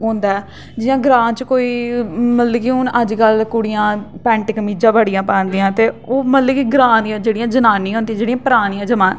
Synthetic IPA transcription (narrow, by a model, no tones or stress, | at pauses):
ɦõːnd̪aːɛː | d͡ʒɪjãːɡɾãːnt͡ʃkoːiːmət̪ləkiʊnəd͡ʒkəlkʊɽɪjãːpɛ̃ːɳʈɪkəmiːd͡ʒãːbəɽɪjãːpaːnd̪ijãːt̪eːoːmət̪ləkiɡɾãːnijãːd͡ʒeːɽijãːd͡ʒənaːnːĩɦõnd̪ijãd͡ʒeːɽĩãːpəɾaːnijãːd͡ʒəmaːn